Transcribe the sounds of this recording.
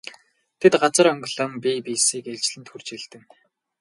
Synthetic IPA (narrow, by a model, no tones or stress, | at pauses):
t̪ʰet̪ɢat͡sə̆ɾœŋɡɵɮə̆mpʲipisiːkeɮt͡ɕɮɘ̆nt̪xur̥t͡ɕɪ̆ɮt̪ɘ̆ŋ